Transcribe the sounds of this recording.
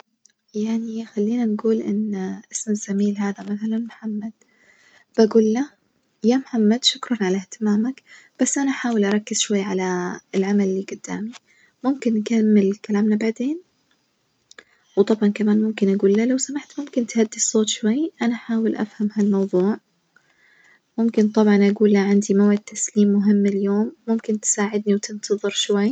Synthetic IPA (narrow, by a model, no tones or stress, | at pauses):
jaʕnixalːiːnanɡuːlʔɪnːʔɪsmaz̥amiːlɦaːðamaθalanmħamːad̪̥ | b̥aɡuːlːa | jaːmħamːad̪ʃʊkɾˤɑnʕalaht̪ɪmaːmak | b̥asːʔanaħaːwɪlʔɑɾˤɑkːɪz̥ʃwajːʕalaɪlʕamalːiːɡʊd̪̥ːa̰ːmi | mʊmkɪnːkamːɪlkalaːmnabaʕd̪eːn | wt̪ˤɑbʕɑnkamaːnmʊmkɪnʔaɡuːlːalawsamaʕt̪mʊmkɪnt̪had̪ːisˤoːt̪ʃwajːʔanaħaːwɪlʔa̰fhamhalmɑwðˤuːʕ | mʊmkɪnt̪ˤɑbʕɑnʔaɡuːlːaʕand̪imawʕɪd̪̚t̪ʰːasliːmːʊɦɪmːɪljoːmːʊmkɪnt̪saːʕɪd̪niwt̪ɪnt̪ʰɑðˤɨɾʃwajː